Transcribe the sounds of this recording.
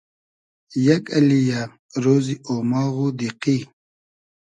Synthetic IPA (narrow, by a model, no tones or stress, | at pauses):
jɐkɐlija | ɾoːziʔomaːɣud̪iqi